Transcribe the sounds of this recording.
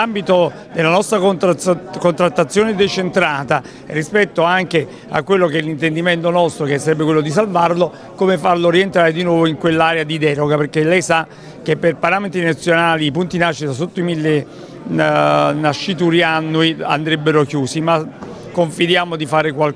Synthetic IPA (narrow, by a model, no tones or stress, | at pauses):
ambit̪o | d̪elːanɔst̪ɾa | kont̪ɾat̪ːat̪sːjoːned̪et͡ʃent̪ɾaːt̪a | rːispɛt̪ːoaŋk̟e | a̰kːwelːokɛlːint̪end̪iment̪onɔst̪ɾokesːaɾɛbːekwelːod̪is̬alvarlo | komefarloɾient̪ɾaːɾed̪inwɔːvoiŋkwelːaːɾead̪id̪ɛːɾoɡaperkːelɛjsa | k̟epːerpaɾaːment̪ɾinat̪sːjonaːliːpunt̪inaʃːit̪asot̪ːoimilːe | naʃːit̪uɾianːuia̰nd̪ɾɛbːeɾokjuːsima | kːoɱfid̪jaːmod̪ifaːɾekwal